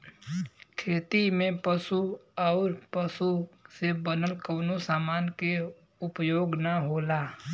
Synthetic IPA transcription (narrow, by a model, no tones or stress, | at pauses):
kʰɾeːt̪imẽpəsuɔːɾpəsusebənəlkoːnosaːmaːnke | ʊpjoːɡnəɦoːlaː